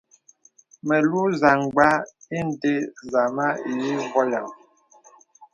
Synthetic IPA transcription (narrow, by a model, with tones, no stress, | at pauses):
me˨lu˦za˨ŋ˨ɡ͡ba˦i˦n̩˦˨de˦za˨ma˦i˨ji˦vɔ˦ja˨ŋ